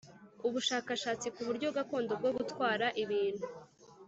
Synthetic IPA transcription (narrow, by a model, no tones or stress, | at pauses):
uβuʃaːkaʃaːt͡sikuβuɾɟo̞βbɡako̞ːndo̞b̚ɡo̞ɡutwaːɾaʔiβiːn̥hu